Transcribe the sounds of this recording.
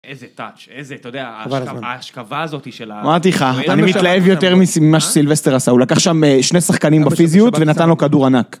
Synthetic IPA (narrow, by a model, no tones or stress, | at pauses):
ezet̪at͡ʃezet̪ajod̪eavaaaːʃkavaːzot̪iʃelaamaʁt̪iχaanimit̪laevjo̞te̞ʁmismimaʃe̥silve̞st̪eʁasaulakaχʃameʃne̞saχkanimbafizijut̪ve̞nat̪anlo̞kaduʁanak